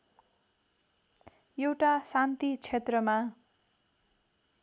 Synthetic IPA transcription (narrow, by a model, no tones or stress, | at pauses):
jewʈasant̪it͡sʰet̪rʌma